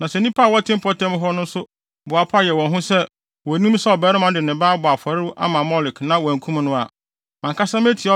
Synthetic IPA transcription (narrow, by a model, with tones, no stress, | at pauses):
nã˨sɛ˨nĩ˦pʰa˦˨wɔ˦tʰɪ̃˦m˦pʰɔ˦tʰɛ̃˦m˦ɦɔ˦nʊ̃˦n̩˦sʊ˦ | bʊ˨a˨pʰa˦jɛ˨wɔ̃˨nɦʊ̃˦sɛ˦ | wɔ˨nĩ˦m˦sɛ˦ɔ˨bɛː˨˦ɾɪ˦mã˦dɪ˨nɪ̃˨baː˦bʊ˨a˨fa˨ɾɪ˦wʔa̰˦mã˨mɔ˦lɪ˨knã˦wɔ˨æ˨ŋ˨kʰũ˦m˦nʊ̃˦a˨ | mã˨ŋkʰa˦sã˦m˦e˦tʰi˨ɔ˦